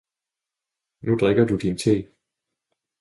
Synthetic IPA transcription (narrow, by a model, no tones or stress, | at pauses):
nud̥ʁɛɡ̥ɐdud̥int͡sʰe̝̰ː